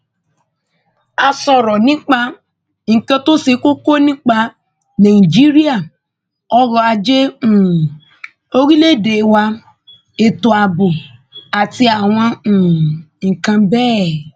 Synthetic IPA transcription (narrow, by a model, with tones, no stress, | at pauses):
a˧sɔ̃˧ɾɔ˨nĩ˦k͡pa˧ | ŋ̩˨kã˧to˦se˧ko˦ko˦nĩ˦k͡pa˧ | nã˨i˨d͡ʒi˦ɾi˦a˦˨ | ɔ˧ɾɔ˧a˧d͡ʒe˦ũ˨ | o˦ɾi˦le˦˨de˨˦wa˧ | e˨to˨a˧bo˨a˨ti˧˦a˨w̃ɔ̃˧ũ˨ | kã˧bɛː˦˨